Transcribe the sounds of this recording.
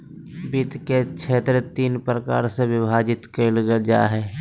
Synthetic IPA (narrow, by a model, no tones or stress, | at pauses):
bɪt̪ket͡ʃʰeːt̪ɾət̪iːnpɾəka̰ːɾsewɪbʱaːd͡ʒɪt̪kelɡəd͡ʒa̰ːɦɛː